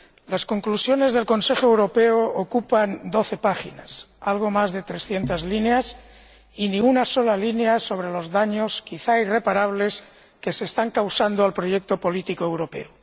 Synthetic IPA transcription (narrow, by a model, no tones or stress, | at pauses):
lasko̞ŋklusjo̞ne̞zðe̞lko̞nse̞xoewɾo̞peookupand̪o̞θe̞paxḭnasalɣ̞o̞mazðe̞t̪ɾesθje̞nt̪azlineas | inĩunaso̞lalineaso̞βɾe̞lo̞zðaɲoskiθaire̞paɾaβ̞le̞s | keseːst̪aŋkawsand̪oalpɾojek̚t̪opo̞lit̪ikoewɾo̞pḛo